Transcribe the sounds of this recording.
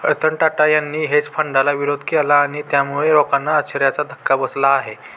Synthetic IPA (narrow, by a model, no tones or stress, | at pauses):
əɾt̪əɳʈaʈajanːiːɦet͡spʰəɳɖalaʋiɾod̪ʱkɛlaːɽ̃it̪jamuɭeɾɔkanːaət͡ɕʰəɾjat͡sad̪ʱəkːabəslaːɦe